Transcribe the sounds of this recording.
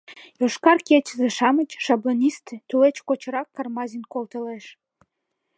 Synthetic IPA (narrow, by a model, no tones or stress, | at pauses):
joʃkɑrkʲet͡ɕəzeʃɑmət͡ɕʃɑblonʲist̪et̪ulet͡ɕkot͡ɕɾɑkːɑrmɑzʲinkolˠt̪əleʃ